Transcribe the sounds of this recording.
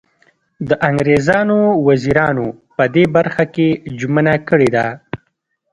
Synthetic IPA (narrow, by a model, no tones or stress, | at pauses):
d̪əʔaŋɡɾezɑnowaziɾɑno | pəd̪ebaɾxaked͡ʒumənakəɽed̪a